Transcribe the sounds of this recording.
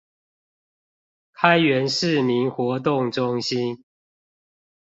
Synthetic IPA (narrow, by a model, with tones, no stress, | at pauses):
kʰa˦ɪɥɛ˨˦nʂɻ̩˥˨mi˨˦nxwɔ˨˦t̪̬ʊ˥˨ŋʈ͡ʂʊ˦ŋɕi˦n